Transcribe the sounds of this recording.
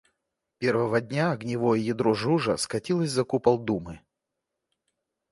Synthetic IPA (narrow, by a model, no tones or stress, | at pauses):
pʲe̞rvəvədʲnʲaɐɡnʲɪvojəjɪd̪ɾoʐuʐə̰skɐtʲilˠəsʲzɐkupɐlˠd̪umɨ